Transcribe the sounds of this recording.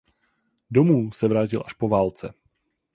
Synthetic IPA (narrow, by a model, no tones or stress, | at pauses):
domuːsɛvɾaːc̬ɪlʔaʃpo̞vaːlt͡sɛ